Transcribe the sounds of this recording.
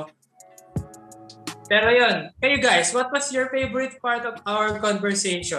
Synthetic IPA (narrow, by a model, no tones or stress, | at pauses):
pɛːɾojonkɛjʊɡajswɔt̪̚wɐsjɔɹfejvɔɹɪt̪̚paɹt̪ɔvawɛɹkɔ̃nvɛɹseʃɔ̃